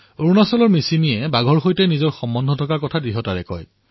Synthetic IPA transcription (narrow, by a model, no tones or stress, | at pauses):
oɹunasɔlɔɹmisiniɛbaɡʱɔɹxojtɛnizɔɹxɔmːɔndʱɔtʰɔkakɔtʰadɹiɦɔtaɹɛ̰kɔ̰j